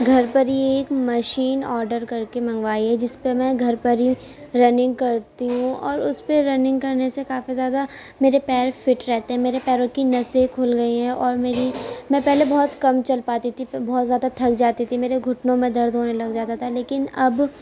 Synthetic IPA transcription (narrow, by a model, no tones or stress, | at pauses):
ɡʱɐɾpɐɾieːkmɐʃiːnɔːɾɖəɾkɐɾkemɐ̃ŋɡʋaːiɦɛd͡ʒɪspemɛ̃ɡʱɐɾpɐɾi | ɾɐnɪ̃ŋɡkɐɾt̪iɦũɔːɾʊspeɾɐnɪ̃ŋɡkɐɾnesekaːfizjaːd̪a | meːɾepɛːɾfɪʈɾɛɦt̪eɦɛ̃meːɾepɛːɾõkinɐsekʰoːlɡɐiɦɛ̃ʔɔːɾmeːɾimɛ̃pɛɦlebɔːt̪kɐmt͡ʃɐlpaːt̪it̪ʰibɔːt̪zjaːd̪at̪ʰɐk̚d͡ʒaːt̪it̪ʰimeːɾeɡʱʊʈnõmẽd̪ɐɾd̪ʱɦoːnelɐɡd͡ʒaːt̪at̪ʰaleːkɪnɐb